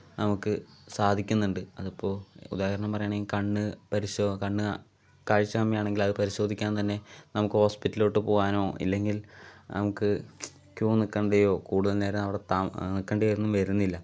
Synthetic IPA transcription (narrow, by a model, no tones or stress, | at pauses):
nɐmukːɨsaːd̪ʱikʲːunːuɳɖɨɐðɐpːo̞ːṵd̪aːhɐɾɐɳɐmpɐrɐjaːɳelkɐɳːɨpɐɾiɕokɐɳːɨ | kaːɻit͡ɕːɐkɐmːjɐjaːɳe̞ŋɡilɐðɨpɐɾiɕo̞ːd̪ʱikʲːaːnt̪ɐnːe̞nɐmukːɨho̞ːspitːilo̞ːʈːɨpo̞ːɣaːno̞ːḭlːe̞ŋɡilnɐ̰mukːɨ | kjuːnikːɐɳɖɐjo̞ːkuːɽuðɐlne̞ːɾenɐʋiɽet̪aːnikːɐɳɖeɐjoɾenːumʋeɾunːilːɐ